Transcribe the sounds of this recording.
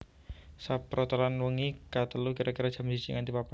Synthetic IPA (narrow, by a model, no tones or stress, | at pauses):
sapɾɔt̪alanwəŋikat̪əlukiɾakiɾad̥ʒ̥a̤msid͡ʒḭŋant̪ipapa